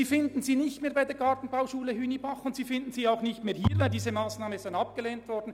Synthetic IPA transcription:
iːfɪndn̩ziːnɪçtmeːɾbaɪdeːɐɡɑɹtn̩baʊʃuːləhyːnibɑχʊntsiːfɪnd̥n̩z̥iːaʊxnɪçtmeːhiːvaɪldiːzəmaːsnaːmənzaɪnɑp̚ɡ̥əleːntvɔɾdn̩

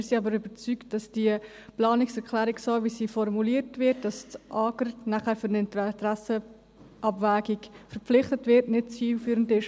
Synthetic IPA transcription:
ɪɾsiɑbəɾʏbəɾt͡sykt̚d̥ɑsd̥iə | plɑːnɪksɛɾkʰlæːɾiksoːvisifɔɾmuliːəɾtvɪt̚d̥ɑst͡sʔɑːɡəɾnæχæːɾfʏɾnɪnttɾæsə | ʔɑbvæːɡiɡfəɾpp͡flɪχtətvɪɾtnɪtt͡siːlfyːɾəndɪʃ

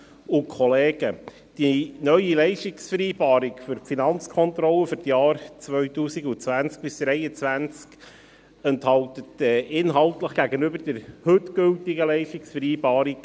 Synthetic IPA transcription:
ʊkʰχɔleːɡ̥ə | d̥inœʏilɛɪʃtɪksfəɾiːb̥ɑːɾikfʏɾfinɑnt͡skʰɔnt̪ɾɔləfʏɾtjɑːɾt͡sʋœʏtuːsikʊt͡sʋænt͡sk̚b̥ɪsd̥ɾɛɪət͡svænt͡sk | ɛnthɑltətɛːʔɪnɦɑltləχɡ̥æɡənʏbəɾd̥ɛɾhøtɡ̥ɵltɪɡəlɛɪʃtɪksfəɾiːbɑːɾik

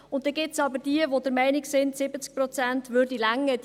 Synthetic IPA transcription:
ʊnt̚dɛɡɪt͡sɑbəɾd̥iəvod̪əɾmɛɪnɪksɪnt̪sɪbət͡sk̚pɾɔt͡sæntʋøɾdilæŋːə

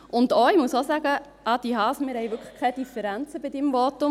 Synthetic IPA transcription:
ʔʊndoɪmusosæɡə | ʔɑd̥iɦɑːsmɪɾhɛjʋʏkʰχə̥kʰɛd̥ifəɾænt͡səbɪdɪmvotʊm

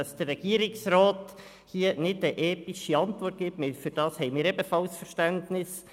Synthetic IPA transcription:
ɑsd̥ərːɛɡ̥iəɾɪksroːt | hiːənɪdəʔɛːtiʃiɑntʋɔrt̚ɡ̥ɪptmɪfʏɾd̥ɑːshɛɪmɪːɾɛbəfɑlsfəʃtæntnɪs

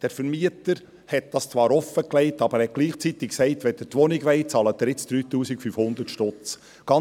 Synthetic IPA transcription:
d̥ɛɾfəɾmiətəɾ | hɛt̚d̥ɑst͡sʋɑːɾɔfəklɛɪtɑb̥əɾhɛt̚ɡ̥liːχt͡sit̪ɪkksɛɪtʋɛd̥ətʋɔnɪɡʋɛɪt͡sɑːlət̪ːəɾɪt͡sd̥̪ɾyːt̪uːsɪkfyfhʊnd̪ətʃtɔt͡s | ɡ̥ɑ

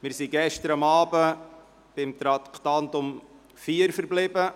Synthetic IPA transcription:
mɪːɾsiɡɛʃtəɾɑmɑːbə | b̥ɪmt̪ɾɑkt̪ɑnt̪ʊm | fiəɾfəɾblɪbə

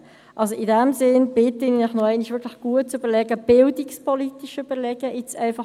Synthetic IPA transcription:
ʔɑlsoɪdɛmzɪnb̥ɪtəɪninɛχnoɛɪniʃʋɪɾkʰlɪxɡ̥uət̚t͡suybəlɛɡəb̥ɪldɪkspolitiʃyb̥əɾlɛɡəʔɪt͡sɛɪfɑ

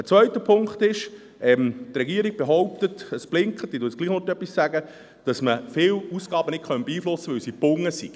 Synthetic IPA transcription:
ət͡svœʏtəpʰʊŋkχt̪ɪʃ | ʔɛmtrɛɡiːəɾiɡ̥̚b̥eɦɔwp̚tətəsb̥lɪŋkχətdiːtuːtt͡sɡliːχnotœpːissæɡə | d̥ɑsməfɪːwusɡ̥ɑːbənɪtkχœntb̥eiːflʊsːəʋɵwsibʊŋːəsiɡ̥

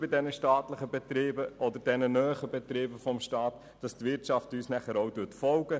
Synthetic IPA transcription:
bɪdɛnəʃtɑːtləχəbɛt̪ɾɪːbəʔɔdəɾdɛnənœːχəbɛtɾɪːbəfɔmʃtɑːt | d̥ɑstʋɪɾtt͡ʃɑftyːsnæχəɾowdʉtfɔlɡə

